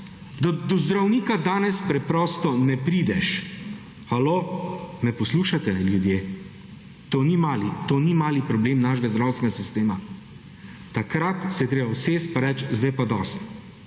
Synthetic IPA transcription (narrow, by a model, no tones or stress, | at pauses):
d̪ɔd̪ɔzd̪ɾawniːkad̪aːnɛspɾɛpɾɔːst̪ɔnɛpɾiːd̪ɛʃ | xaloːmɛpɔsluːʃat̪ɛljud̪jeː | t̪oːnimaːlit̪oːnimaːlipɾɔbleːmnaːʃɛɡazd̪ɾawst̪ʋɛɡasist̪eːma | t̪akɾat̪sɛjɛt̪ɾeːbawseːst̪̚paɾɛt͡ʃzd̪ajpad̪ɔːst̪